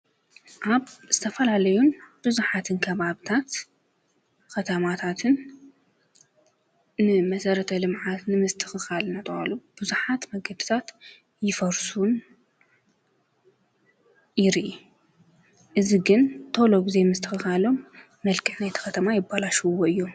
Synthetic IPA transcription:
ʔaβz̥ɨt̪ʰɐfɐlalɐjunb̥ɨzuħat̪ʰɨnkʰɐβaβɨt̪ʰat̪ | kɐt̪ʰɐmat̪ʰat̪ʰɨn | ɨmɐsɐɾɐt̪ʰɐlɨmʕat̪nɨmɨst̪ʰɨ̥xɨxalnat̪ʼɨa̰lub̥ɨzuħat̪mɐɡɐd̪ɨt̪ʰat̪ | jɪfɐɾsun | jɪɾʔi | ʔɨziɡɨnt̪ʰoloɡize̞mɨst̪ʰɨxɨxalo̞m | mɐlkʰɨħnajt̪ʰi̥xɐt̪ʰɐmajɪbalaʃuwoɨjːo̞m

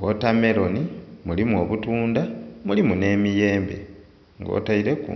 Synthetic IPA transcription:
ɡotame̞ɾo̞nimulimuo̞βutuːndamulimune̞mije̞ːmbe̞̰ | ŋɡo̰ːtaiɾe̞kṵ

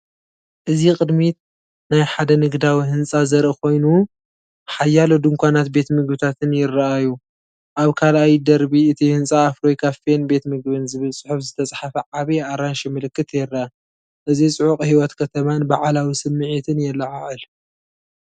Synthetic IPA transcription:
ʔɨzikʼɨd̪mi | najħad̪ɐnɨɡd̪awihɨnt͡sʼazɐɾʔɨkʰo̞jnu | ħajːalod̪ɨŋkʷanat̪̚be̞t̪mɨɡbɨt̪ʰat̪ʰɨnjɪrːɐʔaju | ʔaβkʰalajd̪ɐɾbiɨt̪ʰihɨnsʼaːfɾo̞jkʰafenbe̞t̪mɨɡβɨnzɨβɨlsʼɨ̥ħufzɨt̪ʰɐt͡sʼħafɐʕaβeaɾanʃimɨlɨkːɨt̪jɛrːaa | ʔɨzisʼɨʕuqʼhiwɔt̪kʰɐt̪ʰɐmanbaʕalawisɨmːɨʕit̪ʰɨnjɛlːɐʕaʕɨl

